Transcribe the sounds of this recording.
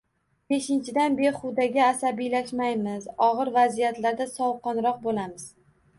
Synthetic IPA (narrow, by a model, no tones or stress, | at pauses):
be̞ʃɪnt͡ʃʰɪd̪anbe̞ɾχʊd̪aɡʲaːsabijlaʃmajmɪzɒʁɨɾvazijat̪laɾd̪asɒwqʰɒnɾɒq̚bolamɪz̥